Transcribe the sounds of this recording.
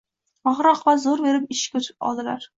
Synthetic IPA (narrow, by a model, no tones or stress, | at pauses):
ɒʁɾɒqvazoɾbe̞ɾɪpɪʃkʲɵt͡ʃ̪ʰɪ̥p̚ɒ̰lˠd̪ɪlaɾ